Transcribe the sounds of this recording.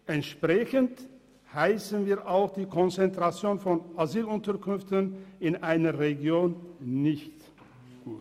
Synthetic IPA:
ʔɛntʃpʁ̥ɛçənt | haɪsən̩viːɐʔaʊxd̥iːkʰɔnt͡sɛntʁ̥at͡sjoːnfɔnʔazyːlʊntɐkʰʏnftənɪnʔaɪnɐʁeɡjoːnːɪçtː

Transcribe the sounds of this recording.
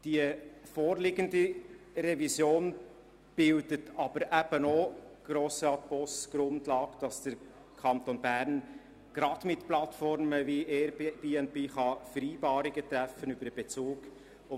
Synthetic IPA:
d̥iəfoːɾlɪɡəndi | rɛvisjoːn | b̥ɪldətʰɑb̥əɾʔæb̥ənɔɡ̥ɾoːsɑt̪̚b̥ɔsɡ̥ɾʊndlɑːkd̥ɑsd̥əɾ | kʰɑnt̪onbæɾn | ɡ̥ɾɑd̥mɪt̪plɑt̪fɔɾməviɛɾbeːɛnt̚b̥eːχɑfəɾiːbɑːɾiɡət̪ɾæfənybəɾəb̥ɛt͡suːɡ | ʊ

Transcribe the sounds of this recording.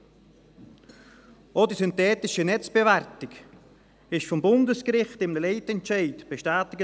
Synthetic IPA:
ʔodisyntɛːtɪʃənɛt͡sb̥eværtɪk | ɪʃfɔmbʊndəskɾɪχtɪmnəleɪtɛntʃaɪtb̥eʃtaːtɪɡə

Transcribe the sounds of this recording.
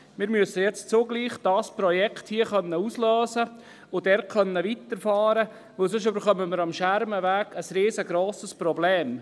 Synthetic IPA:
mɪːɾmyəsːəjɛt͡st͡sʊɡliːχd̥ɑːspɾɔjɛkχthiəχœnːəusløːsə | ʊd̥ɛːɾkχœnːəʋit̪əɾfɑːɾə | ʋɵlsøʃøbəɾχœməməɾɑmʃæɾməʋæːɡ̥əsɾeːzəɡɾoːsəspɾɔbleːm

